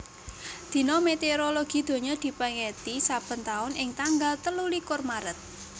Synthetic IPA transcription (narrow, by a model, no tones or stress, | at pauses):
d̪̥i̤nɔmet̪eoɾoloɡ̥i̤d̪̥o̤ɲɔd̪̥i̤pəŋet̪isab̥ə̤nt̪aʊnɪŋt̪aŋɡalt̪əlulikʊrmaɾət̪̚